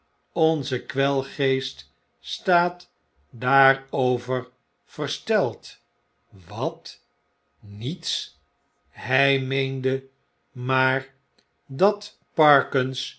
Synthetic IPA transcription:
ɔnzəkʋɛlˠχejst | staːt | daːɹowvəɹ | v̥ərstɛlˠt | ʋɑt | nits | hɛjmejndə | maːɹ | dɑt | pɑɹkəns

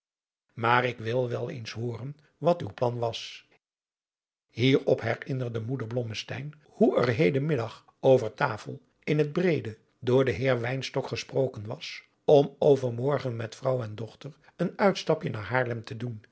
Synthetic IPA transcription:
maːɾɪkʋɪlˠʋɛlˠḛjnsɦʊːɾən | ʋɑty̰wplɑnʋɑs | hiːɹɔpɦɛrɪnəɹdəmudəɹblɔməstɛ̰jn | huə̰ɹɦejdəmɪdɑχ | owvəɹtaːfə̰lˠ | ɪnɦəd̚brejdə | dʊːɹdəɦɪːɹʋɛjnstɔkχəsprowkənʋɑ̰s | ɔmowvəɹmɔɹχənmɛtfrɑwɛndɔχtər | ənœɥtstɑpjənaːɹɦaːɹlɛmtədun

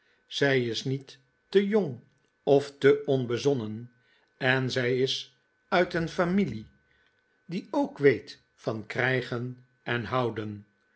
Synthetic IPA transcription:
z̥ɛjɪsnitː | əjoŋ | ɔftəɔnbəzɔnən | ɛnzɛjɪs | œɥtənfamili | diowkʋejt | fɑnkrɛjχən | ɛnɦɑwdən

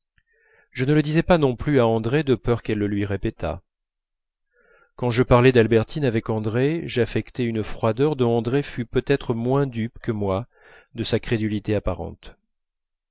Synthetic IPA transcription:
ʒənələd̪izɛpanɔ̃plyaɑ̃d̪ʁed̪əpœʁkɛlːəlɥiʁepɛt̪ʰa̰ | kɑ̃ʒəpaʁlɛd̪albɛʁt̪inavɛkɑ̃d̪ʁeʒafɛkt̪ɛynəfχwad̪œʁd̪ɔ̃ɑ̃d̪ʁefypøt̪ɛt̪χəmwɛ̃d̪ypkəmwa | d̪əsakχed̪ylit̪eapaʁɑ̰̃t̪

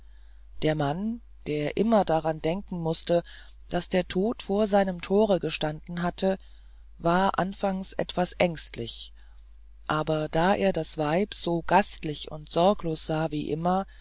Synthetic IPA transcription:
d̥eːɐman | d̥eːɐʔɪmɐdaʁandɛŋkŋ̩mʊstə | d̥asd̥eːɐtʰoːtfoːɐzaɪnəmtʰoːʁ̞əɡəʃtandn̩ɦatʰə | vaːɐʔa̰nfaŋsʔɛ̰tv̥asʔɛŋstlɪ̰ç | ʔaːbɐd̥aːʔḛːɐdasv̥aɪpz̥oːɡ̥astlɪçʊ̰ntz̥ɔɐkloːsz̥aːviːʔɪ̰mɐ

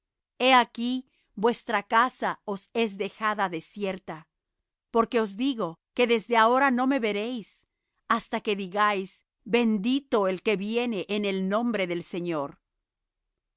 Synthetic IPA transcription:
e̞aki | bwe̞st̪ɾakasao̞se̞zðe̞xaðaðe̞sje̞ɾt̪a | po̞ɾke̞o̞zd̪iɣo̞ke̞ðe̞zðe̞ao̞ɾano̞me̞βe̞ɾe̞js | ast̪ake̞ðiɣajz | be̞nd̪it̪o̞elke̞βje̞ne̞ʔːne̞lnõ̞mbɾe̞ðe̞lse̞ɲo̞ɾ

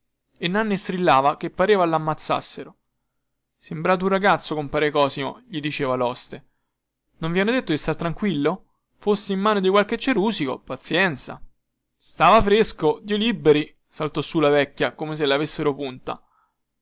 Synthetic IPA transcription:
enːanːest̪ɾilːaːvak̟epːaɾeːvalamːat̪sːa̰sːeɾo | sembɾaːt̪̬unraɡat̪sːokompaːɾekɔːsimo̰ʎid̪it͡ʃeːvalɔst̪e | noɱvianːod̪et̪ːod̪ist̪aɾt̪ːɾaŋkwilːo | fosːeimːaːnod̪ikwalket͡ʃːeɾuːsiko̰pat̪sːjɛnt̪sa̰ | st̪aːvafɾeskod̪iːolibːeɾi | salt̪ɔsːulavɛkːjakomes̬elavesːeɾopunt̪a̰

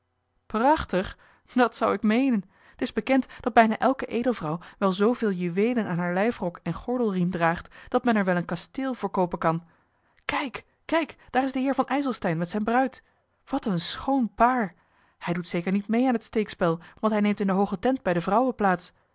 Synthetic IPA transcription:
prɑχtəχ | dɑtsʌwɪkmejnən | ətɪzbəkɛntd̥ɑd̚bɛjnaːʔɛlˠkəʔejdəlˠvrɑwʋɛlˠzowvɪːlˠjyʋejlənaːnɦaːɹlɛjfrɔkɛnχɔɹdəlˠrimdraːχtd̥ɑtmɛnɛɹʋɛlˠənkɑsteːlˠvʊːɹkowpənkɑn | kɛjk | kɛjkd̥aːɾɪzdəɦɪːɹvɑnʔɛjzəlˠstɛjnmɛtsɛjnbrœɥt | ʋɑtənsχownpaːɹ | hɛjdutsejkəɹnitmejaːnɦətstejkspɛlˠʋɑntɦɛjnejmtɪndəɦowχətɛnt̚bɛjdəvrʌwəplaːts

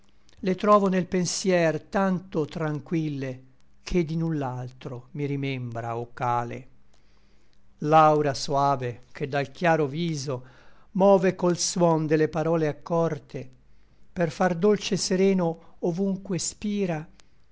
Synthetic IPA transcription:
let̪ɾɔːvonelpensjɛrt̪ant̪ot̪ɾaŋkwilːe | kʰed̪inulːalt̪ɾomiɾimɛmbɾa̰okːaːlḛ | lawɾasoaːvek̟ʰed̪ːalkjaːɾoviːzomɔːvekolswɔnd̪elːepaɾɔːleakːɔrt̪ʰe | perfard̪olt͡ʃeseɾɛːnoːvuŋkwespiːɾa

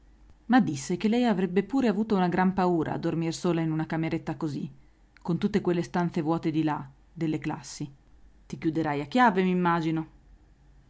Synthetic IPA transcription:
mad̪ːisːek̟elːɛjavɾɛbːepuːɾeavuːt̪ounaɡɾampauːɾʔa̰ːd̪ːormirsoːlainunakameɾet̪ːakozi | kont̪ut̪ːekwelːest̪ant̪sevwɔːt̪ed̪ila | d̪elːeklasːi | t̪ikjud̪eɾajakːjaːvemimːaːd͡ʒino

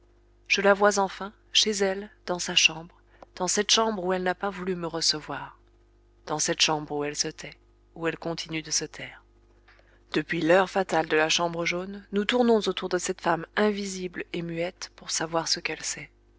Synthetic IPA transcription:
ʒ̥əlavwazɑ̃fɛ̃ | ʃezɛld̪ɑ̃saʃɑ̃bʁ | d̪̥ɑ̃sɛt̪ʃɑ̃bʁuɛlnapavulyməʁəsəvwaʁ | d̪̥ɑ̃sɛt̪ʃɑ̃bʁuɛlsət̪ʰɛ | uɛlkɔ̃t̪ʰinyd̪əsət̪ʰɛːʁ | d̪̥əpɥilœʁfat̪ald̪əlaʃɑ̃bʁəʒonːut̪uʁnɔ̃zot̪uʁd̪əsɛt̪famɛ̃viziblemyɛt̪puʁsavwaʁsəkɛlsɛ

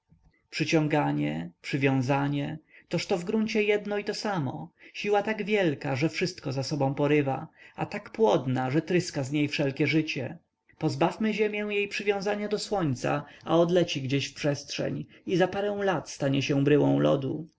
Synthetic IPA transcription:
pʂɘt͡ɕɔ̃ŋɡaɲɛpʂɘvʲjɔ̃w̃zaɲɛt̪ɔʂt̪ɔvɡɾuɲt͡ɕɛjɛd̪nɔit̪ɔsamɔ̰ɕiwat̪aɡvʲjɛlkaʐɛfʂɘst̪̚kɔzasɔbɔ̃w̃pɔɾɘva̰at̪akpwɔd̪naʐɛt̪ɾɘskazɲejfʂɛlkʲɛʐɘt͡ɕɛ̰ | pɔzbafmɘʑemʲjɛw̃jejpʂɘvʲjɔ̃w̃zaɲad̪ɔswɔɲt̪sa̰aɔd̪lɛt͡ɕiɡd͡ʑeɕfpʂɛstʂɛ̰ɲ | izapaɾɛ̃w̃lat̪st̪aɲɛɕɛbɾɘwɔ̃w̃lɔ̰d̪u

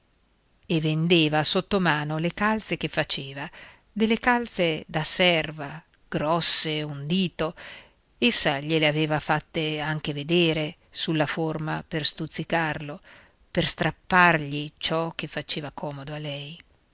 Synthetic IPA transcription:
evːend̪eːvasot̪ːomaːnolekalt̪sek̟efːat͡ʃeːva | d̪elːekalt̪sed̪asɛrva | ɡ̥ɾɔsːeund̪iːt̪o | esːaʎeleaveːvafat̪ːeaŋk̟eved̪eːɾe | sulːaformaperst̪ut̪sːikarlo | perst̪ɾapːarʎit͡ʃɔk̟ːefːat͡ʃeːvakʰɔːmod̪oalːɛj

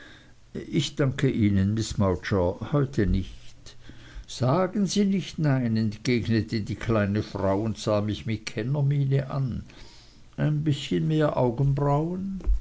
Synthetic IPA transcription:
ʔɪçd̥aŋkʰəʔiːnənmɪsmaʊt͡ʃəhɔʏtʰənɪçt | z̥aːɡənziːnɪçtnaɪnɛntɡ̥eːɡnətʰədiːkʰlaɪnəfʁ̥aʊʊntz̥aːmɪçmɪt̚kʰɛnɐmiːnəʔa̰n | ʔaɪnbɪsçənmeːɐʔaʊɡən̩bʁaʊən

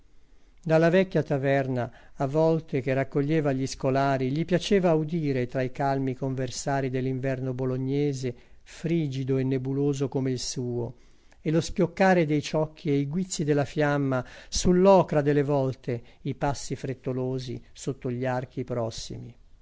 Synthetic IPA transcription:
d̪alːavɛkːjat̪avɛrnaː | vːɔlt̪ek̟erakːoʎːeːvaʎiskolaːɾiʎipjat͡ʃeːvaud̪iːɾet̪ɾaikalmikoɱversaːɾid̪elːiɱvɛrnoboloɲːɛːze | fɾiːd͡ʒid̪oenːebuloːzokomeilsuːo | elospjokːaːɾed̪ejt͡ʃɔkʰːiejɡwit̪sːid̪elːafjamːasulːɔːkɾad̪elːevɔlt̪eipasːifɾet̪ːoloːzḭsot̪ːoʎːiark̟ipɾɔsːḭmi

